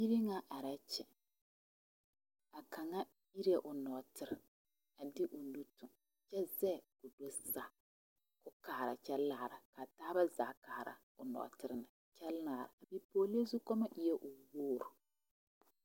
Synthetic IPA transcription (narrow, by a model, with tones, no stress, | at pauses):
i˦ɾi˦ŋa˦ʔa˨ɾa˦t͡ʃɛ˨ | a˨ka˨ŋa˦ | i˦ɾi˦ɛ˨ʔʊ˨nɔ˨tɪ˨ɾɪ˨ | a˨dɪ˦ʔʊ˨nu˦tʊ˨ŋ | t͡ʃɛ˦zɛ˦˨kʊ˨do˦sa˦ | kʊ˦kaː˨ɾa˨t͡ʃɛ˦laː˦˨ɾa˨ka˨taː˦ba˦za˨ka˨ɾa̰˨ | ʊ˨nɔ̰˨tɪ˨ɾɪ˨nɨ˨ | t͡ʃɛ˦laː˨ɾa̰˨a˨bi˨poː˨le˦zu˦kɔ˦ma˦ʔɪ˦jɛ˦ʔʊ˨woː˦ɾʊ˨